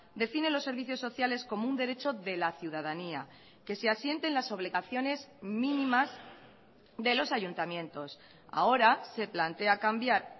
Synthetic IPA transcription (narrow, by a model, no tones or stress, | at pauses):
d̪e̞fine̞lo̞sːe̞ɾβiθjo̞sːo̞θjale̞sko̞mound̪e̞ɾe̞t͡ʃo̞ðe̞laθjuðaðania | ke̞se̞asje̞nt̪e̞nlaso̞βliɣaθjo̞ne̞zmĩnĩmaz | d̪e̞lo̞saʝunt̪amjẽ̞nt̪o̞s | a̰o̞ɾase̞plant̪e̞akambjaɾ